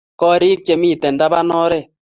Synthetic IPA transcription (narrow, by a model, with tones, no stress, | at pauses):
kɔ˦ɾiː˦k̚t͡ʃe˨mi˦˨tɛ˨nda˦ba˦nɔ˦ɾɛ˦˨